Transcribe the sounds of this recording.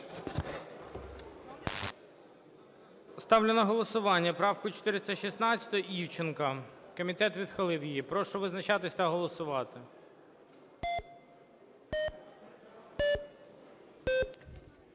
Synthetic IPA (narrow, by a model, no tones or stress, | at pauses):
st̪ɑwlʲenɐɦɔlˠɔsʊʋɑnʲːɐpɾɑwkʊt͡ʃɔ̥t̪ɪɾɪst̪ɐʃisnɑt͡ssʲɐ̥t̪ɔɔʔiwt͡ʃɪnkɐkɔmʲit̪ɛt̪ʋʲid̪xɐlˠɪwjijipɾɔʃɔʋɪznɐt͡ʃɑt̪ɪsʲt̪ɐɦɔlˠɔsʊʋɑt̪ɪ